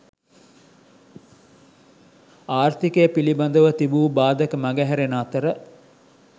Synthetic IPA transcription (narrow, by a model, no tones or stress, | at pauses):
aːrt̪ikeːpilibɐnd̪əʋət̪ibuːbaːd̪əkəmaɡæɦɛɾenaːt̪əɾə